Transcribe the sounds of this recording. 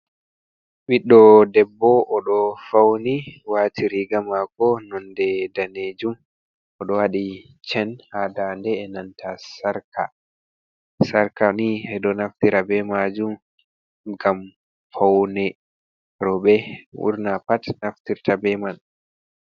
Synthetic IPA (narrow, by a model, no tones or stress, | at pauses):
ɓiɗːɔdɛbːɔʔɔɗɔfawniwaːtʰiɾiɡamakɔnɔndɛdaned͡ʒum | ɔɗɔwaɗi | t͡ʃɛnhadandɛːnantʰasaɾka̰ | saɾkaniɛɗɔnaftiɾabɛmad͡ʒum | ɡam | fawnɛ | ɾɔbɛwṵɾnapatnaftiɾtabɛman